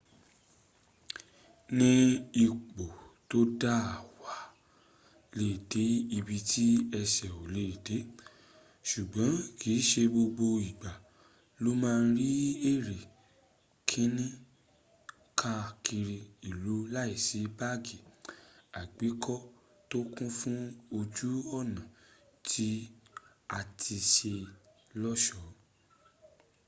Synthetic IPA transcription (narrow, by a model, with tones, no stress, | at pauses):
nĩ˦i˧k͡po˨ | to˦da˦a˨wa˨˦ | le˦˨de˨˦i˧bi˧tʰi˦ɛ˧sɛ˨o˨le˨˦˨de˨˦ | ʃu˨ɡ͡bɔ̃˨˦ki˨˦ʃe˧bo˧ɡ͡bo˧i˨ɡ͡ba˨ | lo˦mãː˦˧˦ɾi˦e˦˨ɾe˨ | kʰĩ˦nĩ˦ | kʰa˦˨kʰi˧ɾi˧i˨lu˨˦la˦i˦˨si˨˦ba˦ɡi˨a˨ɡ͡be˨˦kʰɔ˦ | to˦kũ˦fũ˦o˧d͡ʒu˦ɔ˦˨nã˨ | tʰi˦ | a˧tʰi˧ʃe˧ | lɔ˦ʃɔ˦